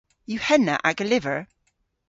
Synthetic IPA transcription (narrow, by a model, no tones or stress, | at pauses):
jʉhɛnə̰ʔaɡəlɪvə˞